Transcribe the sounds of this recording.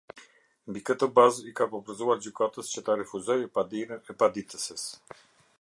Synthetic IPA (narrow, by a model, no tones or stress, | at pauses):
mbikət̪ɔbazikapɔpəɾzuaɾd͡ʑykat̪əst͡ɕət̪aɾɛfuzɔjɛpad̪iɛpad̪it̪əsəs